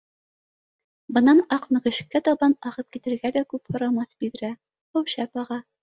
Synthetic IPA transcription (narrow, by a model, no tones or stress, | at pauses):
bɤ̆nɑnɑqnɤ̆ʁɘ̆ɕkːæt̪ɒbɑnɑʁɤp̚kit̪ɘ̆ɾɡælækʉphŏɾɑmɑθbiðɘ̆ɾæ | howɕæpɑʁɑ